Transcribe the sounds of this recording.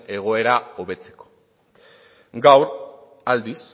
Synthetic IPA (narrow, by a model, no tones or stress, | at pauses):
e̞ɣ̞o̞e̞ɾao̞βe̞t͡se̞̥ko̥ | ɡawɾ | ald̪is